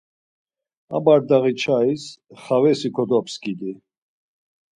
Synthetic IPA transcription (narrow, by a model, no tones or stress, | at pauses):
a̰baɾd̪aʁit͡ʃʰaisχavɛsikʰɔd̪ɔpʰskid̪i